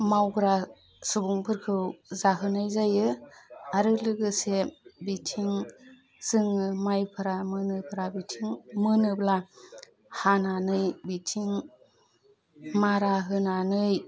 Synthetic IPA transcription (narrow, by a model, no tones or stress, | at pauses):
mawɡɯɾa | subuŋpʰɯɾkʰɯwzaɦɯnajzajɯaɾɯlɯɡɯsebitʰiŋ | sɯŋɯmajpʰɯɾamɯnɯpʰɯɾabitʰiŋmɯnɯbla | hananɯjbitʰiŋ | maɾaɦɯnanɯj